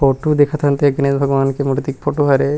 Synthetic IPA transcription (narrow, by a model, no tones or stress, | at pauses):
poʈod̪ekʰat̪ʰɐnt̪eɡənezbʱɐɡʋankemuʈt̪ik̚pʰoʈoɦaɾe